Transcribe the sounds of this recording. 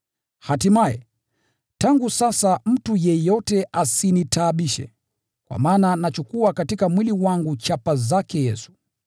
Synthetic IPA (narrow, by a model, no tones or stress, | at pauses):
hatimajɛ̰ | taŋɡusasam̩tujɛjɔtɛʔasinitaːɓiʃɛ̰ | kwa̰maːnanat͡ʃukuakatikamwiliwaŋɡut͡ʃapazakɛjɛsu̥